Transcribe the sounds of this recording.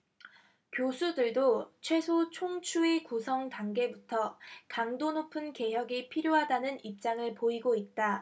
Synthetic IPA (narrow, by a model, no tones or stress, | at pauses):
kjosʰudɯɭdot͡ɕʰwe̞sʰot͡ɕʰoŋt͡ɕʰuikusʰʌŋtaŋɡe̞butʰʌkaŋdonopʰɯnke̞ɦjʌɡipʰiɾjoɦadanɯnip̚t͡ɕ͈aŋɯɭpoiɡoit̚t͈a